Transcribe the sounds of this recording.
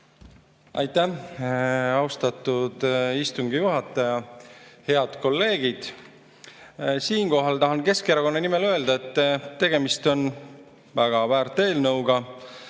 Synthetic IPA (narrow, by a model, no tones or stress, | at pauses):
ɑ̰jt̪ːˑæ | ɑwst̪ɑt̪ˑːud̪̥ist̪uŋɡ̥ijuɦɑt̪ːˑɑjɑhe̞ɑd̪̥ko̞lːe̞ːɡ̥id̪̥ | siːnko̞ɦɑlt̪ɑɦɑnke̞skeɾɑko̞nːɑnimelø̞ːld̪ɑe̞t̪ːˑt̪ːe̞ɡ̥e̞mist̪o̞n | væɡ̥ɑvæːɾt̪ːˑe̞ːlnɤwɡ̥ɑ